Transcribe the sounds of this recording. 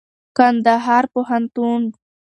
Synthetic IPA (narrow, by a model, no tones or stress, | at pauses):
kand̪aɦɑɾpoɦant̪un